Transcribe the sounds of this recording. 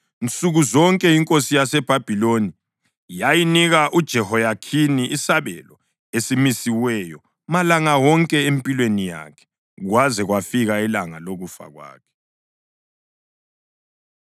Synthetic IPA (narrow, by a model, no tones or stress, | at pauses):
nt͡sʼuɣuzɔŋkʼɛiŋkʼosijasɛb̥ʱab̥ʱiloni | jajiniɣaʔud̥ʒ̥ʱɛhɔjakʰiniʔisaβɛ̰lɔ | esimisiwɛjɔ | malaŋawɔŋkʼɛempʼilwenija̰kʰɛ̥ | ɣwazɛɣwafiɣailaŋaloɣufa̰ɣwa̰ːkʰɛ̥